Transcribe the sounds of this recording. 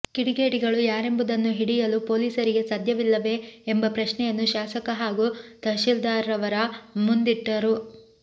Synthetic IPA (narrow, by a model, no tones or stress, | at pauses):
kiɽiɡe̞ːʈiɡɐɭujaːɾe̞mbud̪ɐnːuɦiɽijɐlupoːliːsɐɾiɡe̞sɐd̪ʱjɐʋilːɐʋe̞ːmbɐpɾɐʃnɛjɐnːuʃaːsɐkɐɦaːɡut̪ɐʃild̪aːɾɐʋɐɾɐmund̪iʈːɐɾu